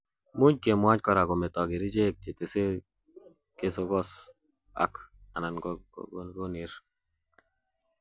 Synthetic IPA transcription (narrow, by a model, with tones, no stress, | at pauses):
mu˦ɲke˨mwa˦ɲkɔ˨ɾa˨ɡɔ˨me˨tɔ˨ɡɪ˨ɾi˦d͡ʒe˦k̚t͡ʃɪ˨te˨se˦ | ke˦so˦ɡɔ˦s | a̰˨˦ka˨na˨nɡɔ̰˦ɡɡo˦ni˨˦ɾ